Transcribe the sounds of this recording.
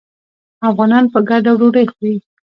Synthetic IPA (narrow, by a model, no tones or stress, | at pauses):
afɣɑnɑnpəɡaɖawɽoɽəjxi